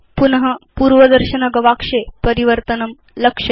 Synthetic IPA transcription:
punɦəpuːɾʋəd̪ɐɾɕənɐɡɐʋakʂepəɾiʋəɾt̪ənəm | ləkʂɐ

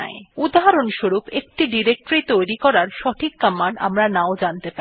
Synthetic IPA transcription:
a̰eud̪aɦaɾonʃoɾupek̚ʈiɖiɾek̚ʈɾit̪ojɾikɔɾaɾʃɔʈʰikːamːana̰mɾanaod͡ʑant̪epai

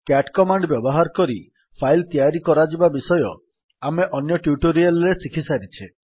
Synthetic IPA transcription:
kaʈkɔmaɳɖbjɔbɔɦaɾkɔɾi | pʰajlt̪jaɾikɔɾad͡ʒibabisɔjɔ̰ | ameʔɔnjɔʈjuʈoɾialɾesikʰisaɾit͡ʃʰe

